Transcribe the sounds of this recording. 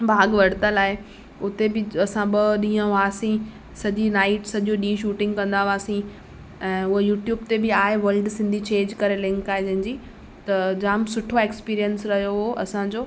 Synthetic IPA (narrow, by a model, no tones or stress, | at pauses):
bʱaːɡʋɐɽt̪əlaːɦɪ | ʊt̪ebɪɐsãɓɐɗĩːə̃ʋaːsĩ | sɐʄinaːɪʈsɐʄoɗĩːʃuːʈɪ̃ŋɡkɐ̃nd̪aʋaːsĩ | ɛ̃ːʊɦojuːʈjuːbt̪ebɪaːɦeʋɐlɖsɪ̃nd̪ʱit͡ɕẽːɲd͡ʑkɐɾelɪ̃ŋkaːɦed͡ʑɐ̃ɦɪ̃d͡ʑiː | t̪ɐd͡ʑaːmsʊʈʰoeːkspiːɾijənsɾɐɦijoɦoʔɐsãd͡ʑoː